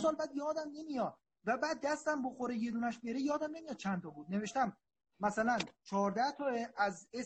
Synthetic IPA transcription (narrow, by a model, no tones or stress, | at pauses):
sɒːlbæːd̪jɒːd̪æmne̞mijɒːd̪̚ | væbæːd̪ːæst̪æmboxoɾeje̞d̪uːnæʃbeɾejɒːd̪æmne̞mijɒd̪̥̚t͡ʃʰænt̪ʰɒːbuːd̪̚ne̞ve̞ʃt̪æm | mæsælænt͡ʃʰɒːɾd̪æht̪ʰɒːeʔæze